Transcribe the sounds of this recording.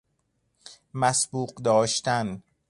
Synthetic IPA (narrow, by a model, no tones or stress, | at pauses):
mæsbuːqd̪ɒːʃt̪æn